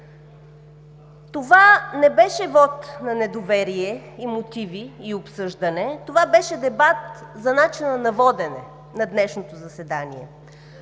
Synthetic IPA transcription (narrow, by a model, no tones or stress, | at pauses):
t̪ovanɛbɛʃɛvɔt̪nɐnɛd̪ovɛɾiɛimot̪iviːopsɤʒd̪ɐnɛt̪ovabɛʃɛd̪ɛbat̪zɐnat͡ʃinɐnɐvɔd̪ɛnɛ | nɐd̪nɛʃnot̪ozɐsɛd̪anḭɛ